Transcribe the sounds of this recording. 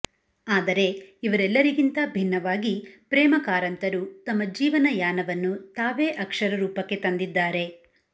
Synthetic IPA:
aːd̪ɐɾe̞iʋɐɾɛlːɐɾiɡint̪ɐbʱinːɐʋaːɡipɾɛːmɐkaːɾɐnt̪ɐɾut̪ɐmːɐd͡ʒiːʋɐnɐjaːnɐʋɐnːut̪aːʋe̞ːʔɐkʂɐɾɐɾuːpɐkːe̞t̪ɐnd̪id̪ːaːɾe̞

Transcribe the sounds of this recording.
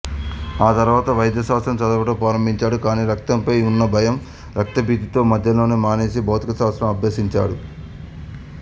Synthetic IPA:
aːt̪ɐɾuʋaːt̪ɐʋɐjɐd̪jɐsaːt̪sɾɐmt͡ʃɐd̪ɐʋɐʈɐpɾaːɾɐmbʱiɲt͡ʃaːɽukaːniːɾɐk̚t̪ɐmpɐjunːɐbʱɐjɐm | ɾɐk̚t̪ɐbʱiːd̪it̪o̞ːmɐd̪ʱjɐlo̞ːnemaːneːsibʱɐwt̪ikɐsaːt̪sɾɐmɐbʱjeːsiɲt͡ʃa̰ːɽu

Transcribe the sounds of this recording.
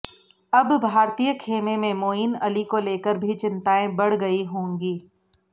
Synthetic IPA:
ɐbbʱaːɾt̪ijəkʰeːmẽmẽmoːinɐlikoleːkəɾbʱit͡ʃɪ̃nt̪aːẽbɐɽ̤ɡɐiɦõːŋɡiː

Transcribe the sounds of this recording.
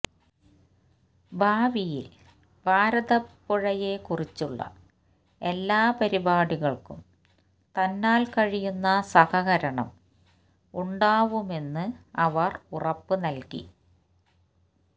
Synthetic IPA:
bʱaːʋijḭl | bʱaːɾɐðɐpːoɻɐjekurit͡ɕːuɭːɐ̰ | e̞lːaːpɐɾibaːɽiɣɐɭkum | t̪ɐnːaːlkɐɻijunːɐsɐhɐɣɐɾɐɳɐ̰m | uɳɖaːʋume̞nːɨɐʋɐrurɐpːɨnɐlkḭ

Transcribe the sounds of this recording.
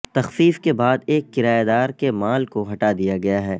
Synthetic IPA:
t̪ɐxfiːfkebaːd̪eːkːɪɾaːjed̪aːɾkemaːlkoɦɐʈad̪ijaɡɐjaɦɛː

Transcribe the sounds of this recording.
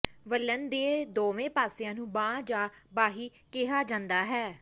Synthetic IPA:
ʋəlːənd̪eːd̪oːʋẽːpaːsɪjãːnũːbãːd͡ʒãːbaːɦiːkɪɦaːd͡ʒãːnd̪aːɦɛː

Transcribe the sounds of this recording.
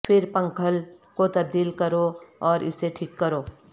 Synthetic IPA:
pʰɪɾpə̃ŋkʰəl | kot̪ɐb̚d̪iːlkəɾoɔːɾɪ̰seʈʰikːəɾoː

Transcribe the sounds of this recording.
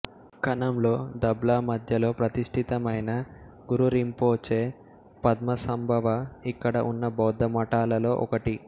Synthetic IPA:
kɐnɐmlo̞ːd̪ɐblaːmɐd̪ʱjɐlo̞ːpɾɐt̪iʂʈʰit̪ɐmɐjnɐ | ɡuɾuɾimpoːt͡ʃeː | pɐd̪mɐsɐmbʱɐʋɐikːɐɽɐʔunːɐbɐwd̪ːɐmɐʈaːlɐlo̞ːʔɔ̰kɐʈi

